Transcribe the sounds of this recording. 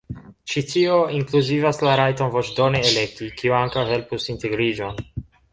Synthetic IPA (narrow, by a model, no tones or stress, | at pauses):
t͡ʃitioiŋkluzivaslaɾajtonvot͡ʃdoneelek̚t̪ikiuaŋkawhe̞lpusinteɡɾid͡ʒo̞n